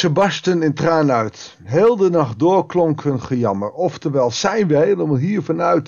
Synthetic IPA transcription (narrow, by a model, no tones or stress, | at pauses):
səbɑstənɪntraːnœɥt | ɦeːlˠdənɑχt̚dʊːɹklɔŋkənχəjɑməɹɔftəɹʋɛjlˠzɛjnʋəɦejləmaːlˠɦiːɹvɑnœɥt